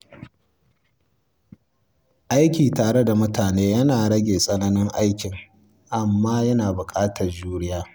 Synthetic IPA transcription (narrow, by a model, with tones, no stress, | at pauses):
ʔa˦jkʲiː˨taː˨ɽe˦da˨mʊ˦taː˨neː˦jɐ˦naː˨ɽɐ˦ɡʲeː˨sʼɐ˦nɐ˦nɪ˦ŋʔa˦jkʲɪ˨ŋ | ʔa˨mːaː˦jɐ˦naː˨bʊ˨kʼaː˦tʰɐ˨rd͡ʒuː˦ɽɪ˦jaː˦